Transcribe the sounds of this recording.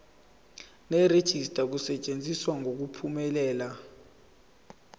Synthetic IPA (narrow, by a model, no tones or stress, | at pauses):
nɛred̥ʒ̥ʱistʼak̬usɛt͡ʃʼend͡zʱiswaŋok̬upʰumɛlɛːla